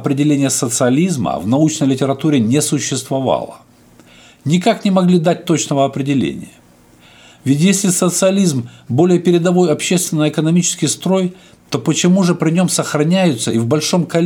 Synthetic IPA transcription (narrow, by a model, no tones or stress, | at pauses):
ɐpɾʲɪdʲɪlʲenʲɪjəsət̪sɨɐlʲizmə̰vnɐut͡ɕnəjlʲɪtʲɪɾɐt̪uɾʲɪnʲesʊɕːɪst̪vɐvɑ̰lˠə̰ | nʲɪkaknʲɪmɐɡlʲid̪at̚ʲt̪o̞t͡ɕnəvəɐpɾʲɪdʲɪlʲḛnʲɪ̰jə | vʲɪtʲjesʲlʲɪsət̪sɨɐlʲizmbo̞lʲɪjəpʲɪɾʲɪd̪ɐvo̞jɐpɕːest̪vʲɪnːəɪkənɐmʲit͡ɕɪ̥skʲɪjst̪ɾo̞j | t̪o̞pət͡ɕɪmuʐɨpɾʲɪnʲo̞msəxɾɐnʲæjʊt̪səivbɐlʲʂo̞mkɐlʲ